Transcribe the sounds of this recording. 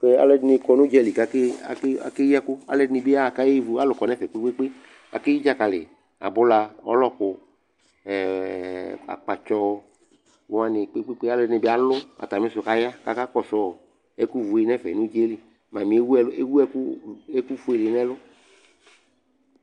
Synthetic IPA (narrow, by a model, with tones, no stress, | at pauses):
ke˦a̰˦lɛ˦dnɪ˨˧kɔ˨nʊ̃˦d͡ʒɛ˦li˨ka˦ke˦a̰˨ka̰˨ke˦a˦kʊ˦a̰˨lɛ˨dnɪ˧bɪ˦a˦˨ka˦je˦vu˨˦a˦lʊ˨kɔ˨˦nɛ˦fɛ˨k͡pe˦e˦k͡pe˦ | a̰˨ke˦ji˦d͡ʒa˦ka˨lɪ̰˨ | a̰˨bʊ˦la˧ɔ̰˦lɔ˦kʊ˨ | a̰˨k͡pa˨t͡ʃɔ˦ | a˦nɪ˨k͡pe˦k͡pe˦k͡pe˦a˦lɛ˨dnɪ˨bɪ˦a˨lʊ˦a̰˨t̪a˨mẽ˦sʊ˨ka˦ja˦ka˦ka˦kɔ˦sɔ˨˦˨ | ɛ˦ku˦vu˨e˨nɛ˦fɛ̰˨nʊ˦d͡ʒɛ˦li˨ | ma˨mĩ˨˦e˦wu˦ɛ˦lʊ˦e˦wu˦ɛ˦ke˦ku˦fu˦e˨lɪ˨nɛ˦lʊ˦